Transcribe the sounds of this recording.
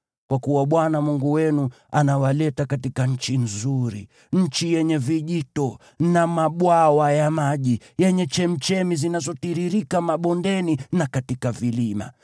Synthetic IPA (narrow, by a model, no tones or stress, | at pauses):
kwakuwaɓwanamuŋɡuwɛnu | anawalɛtakatikaɲ̩t͡ʃinzuɾḭ | ɲ̩t͡ʃijɛɲɛviʄitɔ | namaɓwawajamaʄi | jɛɲɛt͡ʃɛm̩t͡ʃɛmizinazɔtiɾiɾikamaɓɔndɛninakatikavilima̰